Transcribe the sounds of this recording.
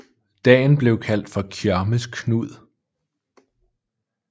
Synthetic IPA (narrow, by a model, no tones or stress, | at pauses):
d̥ɛ̰ːnb̥le̝ʊkʰæl̰d̥fɒ̽kʰjæɐməskʰnuð̰ˠ